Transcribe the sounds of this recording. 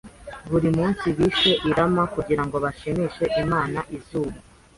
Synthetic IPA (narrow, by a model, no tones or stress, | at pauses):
βuɾimuːnsiβiʃe̞ʔiɾamakuɟiɾaŋɡo̞βaʃimiʃe̞ʔimaːnaʔizuːma